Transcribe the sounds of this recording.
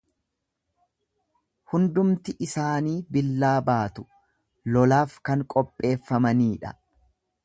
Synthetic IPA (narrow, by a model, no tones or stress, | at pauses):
hʊnd̪ʊmt̪ɪʔɪsaːniːbɪlːaːbaːt̪ʊ̥ | lɔlaːfkɐŋkʼɔpʼːe̞ːfːɐmɐniːᶑɐ